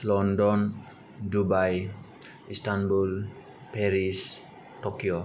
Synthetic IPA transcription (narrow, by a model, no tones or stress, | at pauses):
lɔndɔn | dubaj | istanbul | peɾis | tokijo